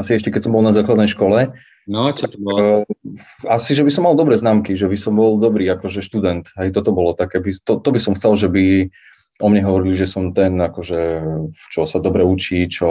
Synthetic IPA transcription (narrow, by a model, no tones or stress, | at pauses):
asiɛʃcɛkɛcsɔmbɔlnazaːklad̪nɛjʃkɔlɛ | nɔt͡ʃɔt̪ | asiʒɛbisɔmːald̪ɔbɾɛːznaːmkiʒɛbisɔmbɔld̪ɔbɾiːakɔʒɛʃt̪ud̪ɛnt̪ɦɛjt̪ɔt̪ɔbɔlɔt̪akɛːbit̪ɔt̪ɔbisɔmxt͡sɛlʒɛbi | ʔɔmɲɛɦɔʋɔɾiliʒɛsɔmt̪ɛnakɔʒɛt͡ʃɔsad̪ɔbɾɛut͡ʃiːt͡ʃɔ